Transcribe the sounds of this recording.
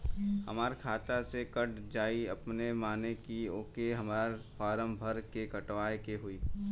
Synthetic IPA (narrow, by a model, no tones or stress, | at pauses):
ɦɐmaːɾkʰaːt̪asekəʈ̚ʰd͡ʒaːiɐpnemaːnekioːkeɦɐmaːɾfʰaːɾəmbʱəɾkekɐʈʋaːekeɦuiː